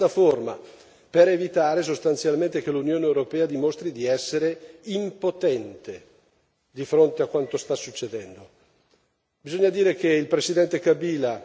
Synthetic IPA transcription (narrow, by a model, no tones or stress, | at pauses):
aforma̰ | peɾevit̪aːɾes̬ost̪ant̪sjalment̪ek̟elunjoːneewɾopɛːad̪imost̪ɾid̪iɛsːeɾeimpot̪ɛnt̪e | d̪ifɾont̪eakːwant̪ost̪asːut͡ʃːed̪ɛnd̪o | bizoɲːad̪iːɾek̟eilpɾesid̪ɛnt̪ekabiːla